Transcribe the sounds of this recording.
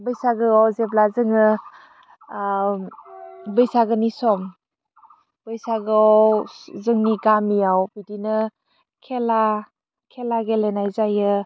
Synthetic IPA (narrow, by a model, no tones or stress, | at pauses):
bɯjsaɡɯɔwzeblazɯŋɯ | bɯjsaɡɯnisɔm | b̥ɯjsaɡɯɔzɯŋniɡamijawbidinɯ | kʰela | kʰelaɡelenajzajɯ